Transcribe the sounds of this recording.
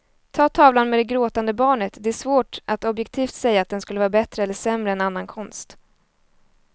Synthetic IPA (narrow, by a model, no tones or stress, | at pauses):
t̪ʰɑːt̪ʰɑːvlanmɛd̪ɛɡɾoːt̪and̪əbɑːɳət̪d̪ɛæʂvoːʈat̪ɔbjɛkt̪ʰiːft̪sɛjːaːt̪̚d̪ɛnskɵlːəvɑːɾabɛt̪ɾəɛlːəʂɛmɾəɛnanːankʰɔnst̪